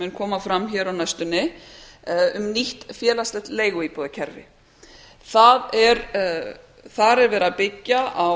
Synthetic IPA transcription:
ɛnkʰɔːmafɾamçɛːɾawnajst̪ʏnːɪ | ʏmniht̪fjɛːlast̪ɛht̪leːjɣʏiːpɔðacʰɛɾvɪ̰ | θaðɛɾ | θaɾɛɾvɛːɾapɪcːaa

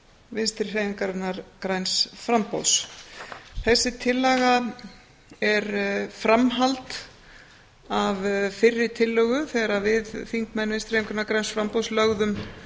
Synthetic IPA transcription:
vɪnst̪ɪɾ̥reːjŋkaɾt̪naɾkɾajnsfɾampo̰ws | θɛsːɪt̪ʰɪlːaɣa | ɛɾfɾamɦalt̪ | avfɪrːɪt̪ʰɪlːœɣʏθɛːɾavɪðfiŋkmɛnvɪnst̪ɾ̥eːjŋkaɾnaɾkɾajnsfɾampowslœɣðʏm

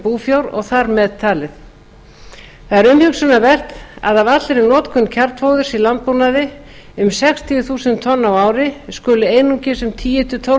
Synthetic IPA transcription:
puːfjowɾɔ̰ɣθaɾmɛðt̪ʰaːlɪθ | θaðɛɾʏmhʏksʏnavɛr̥t̪a̰ðavat̪lɪɾɪnɔːt̪kʰʏncʰaɾt̪fowðʏɾsilant̪̚punaðɪ | ʏmsɛkst̪ʰiɪθuːsɪnt̪ʰɔnːawaːwɾɪskʏːlʏeːjnuŋcɪsʏmt̪ʰiːjɛt̪ʏt̪ʰo

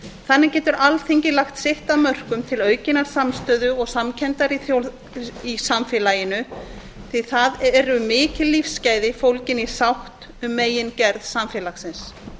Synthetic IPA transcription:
θanːɪcɛːt̪ʏɾalθeɲcɪlaxt̪sɪht̪aðmœr̥kʏmt̪ʰɪlœːɥcɪnːaɾ̥samst̪œːðʏɔɣsamcʰɛnt̪aɾiθjo | isamfɪːlajɪnʏ | θiθaðɛɾʏmɪːcɪlːifsːcaːjðɪfowlcɪni̥sawht̪ | ʏmːeːjɪncɛɾðsamfɛːlaxsɪns

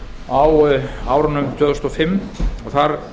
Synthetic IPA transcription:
awaːwɾanʏmt̪ʰjœðst̪ɔfɪmːɔɣθaɾ

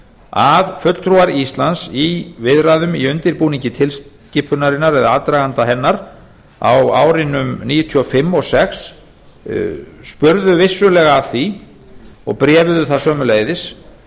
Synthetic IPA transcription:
avfʏt̪l̥t̪ʰɾuaɾist̪lansivɪðɾaðʏmiʏnt̪ɪɾpuːniɲcɪt̪ʰɪls | cɪːpʰʏnaɾɪnːaɾɛðaat̪ɾaɣant̪aɦɛnːaɾ | a̰wa̰ːwɾɪnʏmniːjʏt̪ʰyɔfɪmːɔsɛxs | spʏɾðʏvɪsːʏlɛɣaθi | ɔ̰ɣpɾɛːvðʏθḁsœːmʏleːjðɪs

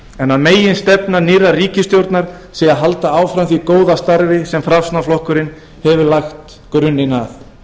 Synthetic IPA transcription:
ɛnaðmeːjɪnst̪ɛpnaniːɾariːcɪst̪jowɾt̪naɾ̥ | sɛɣaðɦalt̪aaːwfɾamθikoːwðast̪aɾvɪsɛmfɾafsnaflɔhkʏɾɪn | hɛvʏlaxt̪ | kɾʏnːɪnaθ

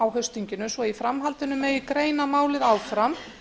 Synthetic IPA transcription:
awɦœɥst̪iɲcɪnʏsvɔifɾamɦalt̪ɪnʏmːɛðikɾeːjnamaːwlɪðaːwfɾam

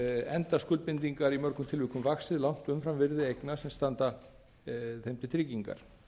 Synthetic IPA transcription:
ɛnt̪askʏlt̪̚pɪnt̪iŋkaɾimœɾkʏmt̪ʰɪlvɪːkʏmvaxsɪðlawŋ̥t̪ʏmfɾamvɪɾðɪejknasɛmst̪ant̪a | θemt̪ɪt̪ʰɾɪciŋka̰ɾ̥

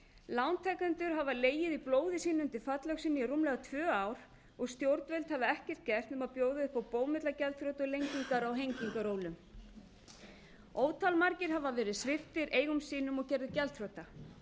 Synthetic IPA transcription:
lawnt̪ʰɛkant̪ʏɾɦavaleːjɪðiploːwðɪsiːnʏʏnt̪ɪɾ̥fat̪lœksiːnɪirumlɛɣat̪ʰvœːaːwɾ̥ | ɔɣst̪jowɾt̪vɛlt̪havðɪɛhcɛr̥t̪̚cɛr̥t̪ɛmaðpjoːwðɪʏhpawpoːwmɪt̪lacɛlt̪fɾowt̪ɔlejɲciŋkaɾawɦejɲciŋkaɾoːwlʏm | oːwt̪ʰalmaɾcɪɾɦavavɛːɾɪðsvɪft̪ɪɾʔeːjɣʏmsiːnʏmɔɣcɛɾðɪcɛlt̪fɾowt̪a

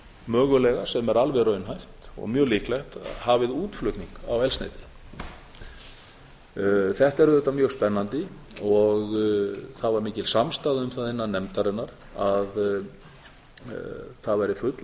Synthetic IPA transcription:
mœːɣʏlɛɣḁsɛmɛɾalvɛɾœːɥnɦajht̪ɔ̰ɣmjœːɣlihklɛxt̪havɪðuːt̪flʏt̪niŋka̰wɛlsnḛjt̪ɪ̥ | θɛht̪ɛɾʏðɛt̪ːamjœːɣspɛnːant̪ɪɔɣθaðvaɾmiːcɪlsamst̪aːðɪʏmθaðɪnːanːɛmt̪aɾɛnːaɾ̥ | að | θaðvajɾɪfʏt̪l

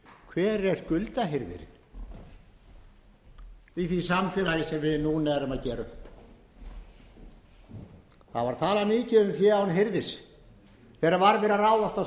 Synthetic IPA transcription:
kʰvɛːɾɛskʏlt̪aɦeɾðɪ̰ɾɪ̰n̥ | iθisamfɪːlajɪsɛmvɪðnuːnaɛɾʏmaðcɛːɾʏhp | θa̰ðvaɾt̪ʰaːlamɪːcɪʏmfjɛːawnɦeɾðɪs | θɛːɾavaɾvɛːɾaraːwðaft̪a

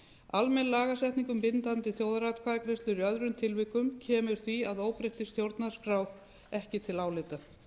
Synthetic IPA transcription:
almɛnlaːɣasɛht̪niŋkʏmpɪnt̪ant̪ɪθjoːwðaɾat̪kʰvaːðɪkʰɾɛst̪lʏɾjœðɾʏnt̪ʰɪlvɪkʏmcʰɛːmʏɾ̥θviaðoːwpɾejht̪ɪst̪jowɾt̪nḁskɾaːw | ɛhcɪt̪ʰɪlaːwlɪt̪a

